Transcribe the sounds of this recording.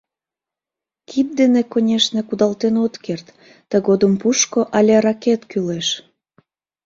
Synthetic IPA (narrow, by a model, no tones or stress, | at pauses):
kʰip̚d̪enekonʲeʃnekud̪ɑlt̪enot̪kert̪ː | əɣod̪əmpuʃkoʔɑlʲerɑket̪kyleʃ